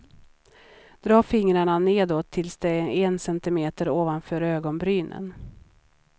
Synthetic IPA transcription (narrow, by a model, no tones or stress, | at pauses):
d̪̥ɾɑːfɪŋɾaɳaneːd̪oːt̪ʰːɪlsd̪ɛɛnsɛnt̪ɪmeːt̪əɾoːvanfœːɾøːɡɔnbɾyːnə̰n